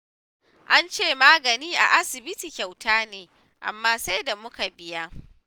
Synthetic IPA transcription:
ʔa˦nt͡ʃeː˦˨maː˦ɡɐ˨niː˦ʔa̰˨ʔa˦sɪ˨bɪ˦ti˨kʲa˨wtaː˦neː˨ | ʔa̰˨mːaː˦sa˦jda˨mʊ˦ka˨bɪ˦ja˦

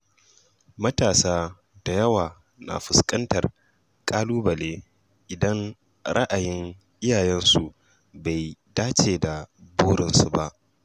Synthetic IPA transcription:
mɐ˦taː˨saː˦ | d̥a˨jɐ˦waː˨ | na̰˨ɸʊ˨skʼɐ˦ntɐ˨r | kʼaː˦luː˦bɐ˨leː˦ | ʔɪ˨dɐ˦ŋ | ɾɐ˦ʔa˨jɪ˦ŋ | ʔɪ˦jaː˨jɛ˦nsu˨ | ba˨jdaː˦t͡ʃeː˨da˨buː˦ɽɪ˦nsu˨ba˦ʔ

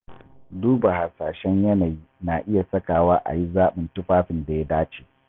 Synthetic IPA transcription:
duː˦ba˨ha˨saː˨ʃɛ˦ɲjɐ˦naː˨ji˦naː˨ʔɪ˦ja˨sɐ˦kaː˨waː˦ʔa̰˨ji˦zaː˦ɓɪ˨ntʊ˦ɸaː˦ɸɪ˨nda˨ja˦daː˦t͡ʃeː˨

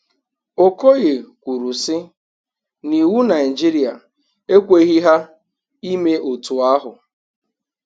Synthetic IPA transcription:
o˨ko˦ɣe˨kʷu˨ɾu˨sɪ˦ | ni˨wu˦na˨ɪ˨d͡ʒi˦ɾi˨a˨ | e˦kʷe˦ɣi˦ɦa˦ | i˦me˦o˨tu˨a˦ɦʊ˨

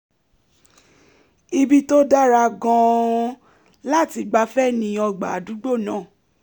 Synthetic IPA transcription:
i˧bi˦to˦da˦ɾa˧ɡã˧ | la˦˨ti˧ɡ͡ba˧˦fɛ˦nĩ˧˦ɔ˧ɡ͡ba̰˨du˨˦ɡ͡bo˦˨nãː˨˦˨

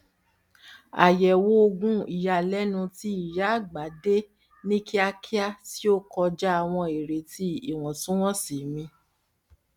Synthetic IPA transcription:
a̰˨jɛ˨wo˦o˧ɡũ˦i˨ja˨lɛ˦nũ˧ti˧˦i˨ja˨˦˨ɡ͡ba˨˦de˦ | nĩ˦ki˦a˧ki˦a˦ti˦o˦kɔ˧d͡ʒa˦a˧w̃ɔ̃˧e˨ɾe˨ti˧˦i˨w̃ɔ̃˨sũ˦w̃ɔ̃˦si˨mĩ˧

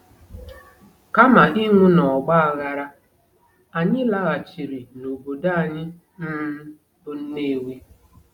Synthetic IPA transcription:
ka˦ma˨i˦ŋʷu˦nɔ˨ɡ͡ba˦a˨ɣa˦ɾa˦ | a˨ɲɪ˦la˦ɣa˨t͡ʃi˨ɾi˨no˨bo˨da˦a˨ɲɪ˦ | n̩˦m̩˦ | bʊ˦n̩˦ne˦˨we˦

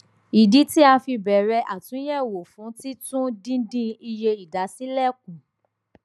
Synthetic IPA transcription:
i˨di˨˦ti˦a˧fi˧bɛ˨ɾɛ˧˦ʔa˨tũ˨˦jɛ˦˨wo˨fũ˨˦ti˦tũ˦dĩ˦dĩ˦i˧je˧i˨da˨˦si˦lɛ˦˨k̚ũ˨

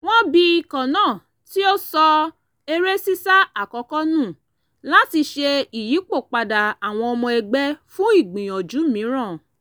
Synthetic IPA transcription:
w̃ɔ̃˦bi˧i˧kã˨nãː˦˨ | ti˦o˦sɔ˧ | e˧ɾe˦si˦sa˦a˦˨kɔ˨˧˦kɔ˦nũ˦˨ | la˦ti˧ʃe˧i˨ji˨˦k͡po˦˨k͡pa˨da˨a˨w̃ɔ̃˧ɔ˧mɔ̃˧ɛ˧ɡ͡bɛ˦fũ˦i˦˨ɡ͡bĩ˨j̃ɔ̃˨d͡ʒu˨˦mĩ˨˦ɾ̃ã˦˨

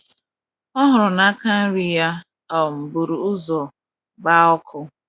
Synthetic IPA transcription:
ɔ˦ɦʊ˨ɾʊ˨na˦ka˦n̩˦ɾi˨ja˦ | ɔ˨m̩˨bu˨ɾu˨ʊ˦zɔ˨ | ɡ͡ba˦ɔ˦kʰʊ˦

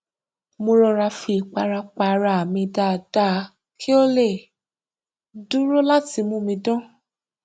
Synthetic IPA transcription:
mõ˧ɾɔ˧ɾa˧fi˧˨k͡pa˧ɾa˧k͡pa˧ɾa˧˨mĩ˧da˦˨d̥a˦˨˦ | kʰi˦o˦le˦˨ | du˦ɾo˦la˦ti˧mũ˦mĩ˧dɔ̃˦

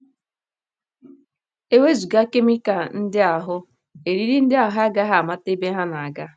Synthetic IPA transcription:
e˦we˦zu˨ɡa˦ke˦mɪ˦ka˨n̩˦dɪ˦a˨ɦʊ˦ | e˨ɾi˦ɾi˦n̩˦dɪ˦a˨ɦa˦ɡa˦ɦa˨ma˦te˦be˦ɦa˦na˨a˨ɡa˦

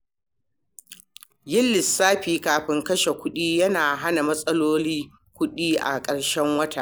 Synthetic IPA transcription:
jɪ˦lːɪ˨sːaː˦ɸiː˨kaː˨ɸɪ˦ŋkɐ˦ʃe˨kʷʊ˦ɗiː˦jɐ˦naː˨ɦa˦na˨mɐ˦sʼɐ˦loː˦liː˦ | kʷʊ˦ɗiː˦ʔa̰˨kʼɐ˨ɽʃɛ˦ŋwɐ˦ta˨ʔ

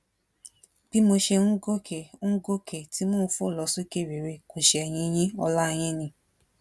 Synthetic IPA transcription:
b̥i˦mo˧ʃe˧ũ˦ɡo˦kʰɛ˨˦ũ˦ɡo˦kʰɛ˨ti˨˦mõː˦˨˧fo˦˨lɔ˨˧˦su˦ke˦˨ɾe˨ɾe˧ko˨ʃe˧ɛ˨j̃ĩ˧j̃ĩ˦ɔ˧la˦˧j̃ĩ˦nĩ˧

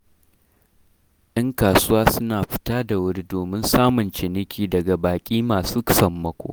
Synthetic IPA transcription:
ɗɐ˦ŋkaː˨sʊ˦waː˦sʊ˦naː˨ɸɪ̥˦taː˦da˨wʊ˦ɽi˦doː˨mɪ˦nsaː˦mʊ˨nt͡ʃɪ˨nɪ˦kʲiː˦dɐ˨ɡa˨baː˨kʲʼiː˦maː˨suː˦ksɐ˨mːɐ˦kʷo̰ː˨

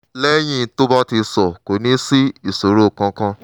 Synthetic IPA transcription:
lɛ˦j̃ĩ˦to˦ba˦ti˧sɔ˨ko˨nĩ˨˦si˦i˦˨so˨˦ɾo˦˨kã˧˦kã˦

